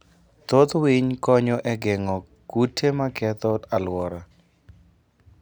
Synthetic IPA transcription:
t̪ot̪wiɲkɔɲɔʔɛɡeŋɔ | kutʰemakɛt̪ɔalwɔɾa

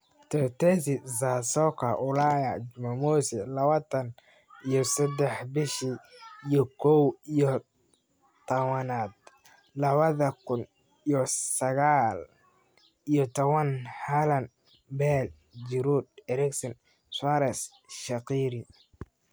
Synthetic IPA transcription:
t̪ʰɔt̪ʰɛsizasɔkʰɐʔʊlaːjad͡ʒʊmɐmɔsɛlɐβɐt̪ʰɐn | ijɔsɛd̪ɛħbɪʃiijɔkʰɔwijɔ | t̪ʰɐwɐnaːd̪ | lɐβɐðɐkʰʊn | ijɔsɐɣaːl | ijɔt̪ʰɔβɐnhalɐn | bɛl | d͡ʒɪɾuːd̪̚ɛɾɛksɪn | saɾɛs | ʃɐqiːɾi

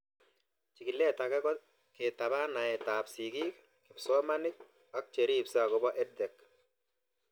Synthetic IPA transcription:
t͡ʃiɡilːɛtakɛkɔ | ketaβanaɛtapsiɡik | kɪpsɔmanɪk̚ | ak̚t͡ʃeɾipsakɔbɔʔɛd̚dɛk

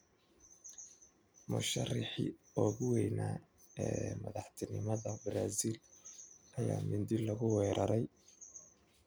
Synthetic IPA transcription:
mʊ̰ʃɐrɪħḭ | ɔːɣʊwɛjnaː | ɛːmɐðɑħt̪ʰɪnɪmɐðɐbɾaːziːl | ɐja̰ːmɪnd̪ɪlɐɣʊwɛːɾʔɐɾɛj

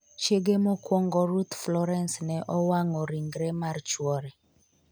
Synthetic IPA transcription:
t͡ʃjeɡemɔkwɔŋɡɔɾut̪flɔɾɛnsnɛʔɔwaŋɔɾiŋɡɾɛmart͡ʃwɔɾɛ

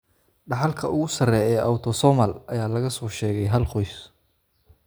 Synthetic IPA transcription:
ɖɑħɑlkʰɐʊɣʊsɐrɛːɛːʔɐwt̪ʰɔsɔmɐlʔɐjaːlɐɣɐsɔːʃɛːɣɛjɦɐlqɔjs

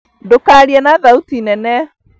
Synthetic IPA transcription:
dokaːɾiɛnaðautinɛnɛ

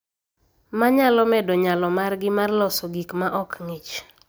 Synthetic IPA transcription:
maɲalɔmɛdɔɲalɔmarɡɪmarlɔsɔɡikmaʔɔkŋɪt͡ʃ

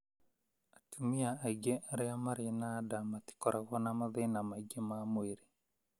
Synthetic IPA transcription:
atʰumiaaiɡeaɾeamaɾenadamat̪i̥kɔɾʔaɣɔnamaðenamaiɡemamweɾe

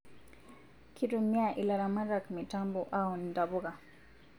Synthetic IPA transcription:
kʰiɾumiaʔilaɾamaɾakmitambuʔaun̩daβuɣa

